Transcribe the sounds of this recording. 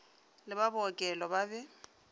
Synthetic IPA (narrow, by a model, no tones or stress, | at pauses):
lɪbabɔkʼɛlɔbabɛ